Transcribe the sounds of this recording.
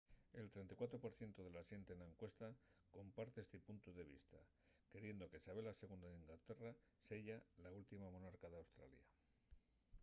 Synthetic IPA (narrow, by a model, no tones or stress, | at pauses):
e̞lt̪ɾe̞nt̪ikwat̪ɾo̞po̞ɾθje̞nt̪oðe̞lasje̞nt̪enaeŋkwe̞st̪ako̞mpaɾt̪eest̪epunt̪oðe̞β̞ḭst̪a | ke̞ɾje̞nd̪o̞ke̞saβe̞lase̞ɣ̞und̪aðiŋɡlat̪e̞ra | seʝalault̪imamo̞naɾkaðeawst̪ɾa̰lja